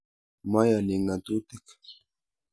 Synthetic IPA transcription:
majalɪŋat̪ut̪ɪk

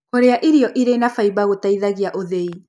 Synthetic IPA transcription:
koɾeaʔiɾiɔʔiɾenafaiβaɣotaiðaɣiaʔoðei

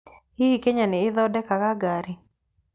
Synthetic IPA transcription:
hiikeɲanɪɪðɔdɛkakaɡaɾɪ

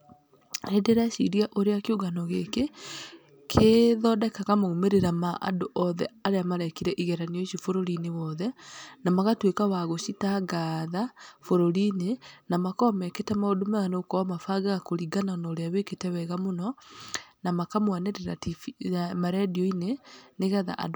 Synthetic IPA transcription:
ɾedeɾaʃḭɾiaʔoɾeakeoɣanɔɣeke | kʰeðɔːdɛkaɣamoɣumeɾeɾamaʔa̰doʔɔðɛaɾeamaɾakiɾɛʔiɣɛɾaneoʃifoɾoɾinewɔðɛnamaɣatwekawaɣoʃitaɡaðafoɾoɾinenamakɔmɛketɛmaodomɛɣanokɔmafaɡaɣakoɾiɡananaoɾeaweketɛwɛɣamonɔ | namakamwaneɾeɾatifmaɾɛdiɔineneɣɛða̰ʔa̰do

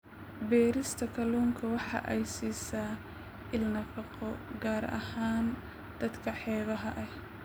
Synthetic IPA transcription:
bɛːɾɪst̪ʰɐkʰɐluːŋkʰɐwɑħɑ̰ʔɛjsiːsaː | ʔɪlnɐfɑqɔɡaːɾɐ̰haːn | d̪̥ɐd̪kʰɐħɛːβɐɦɐʔɐh

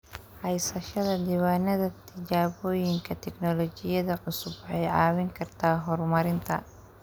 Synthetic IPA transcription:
hɐjsɐʃɐðɐd̪iːwaːnɐðɐt̪ʰɪt͡ʃaːβɔːjɪŋkʰɐt̪ʰɛɡnɔlɔt͡ʃɪjɐðɐʕʊsʊbħɛjʕɑːwɪŋkʰɐrt̪ʰaːɦɔrmɐɾɪnt̪ʰɐ̰

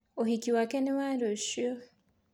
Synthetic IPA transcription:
ohikiwakenewaɾoʃo

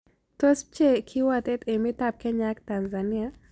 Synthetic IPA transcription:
tos̚t͡ʃekʰiwat̪ɛtemitap̚kɛɲaktanzania

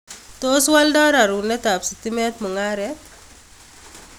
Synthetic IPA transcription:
t̪oswaldaɾaɾunɛt̪apsit̪imɛt̪mɔŋaɾɛ

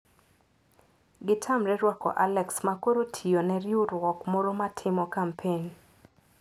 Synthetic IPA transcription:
ɡɪtʰamɾɛɾwakɔ̰ʔalɛksmakoɾotʰionɛɾjurwɔkmoɾomatʰɪmɔkampʰen

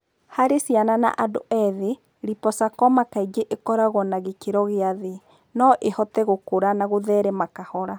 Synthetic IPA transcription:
haɾesjanana̰ʔado̰ʔɛðe | ɾipɔsakɔmakaiɡeʔekɔɾaɣwɔnaɣekeɾɔɣeaðe | nɔʔehɔtɛɣokoɾanaɣoðɛːɾɛmakahɔɾa

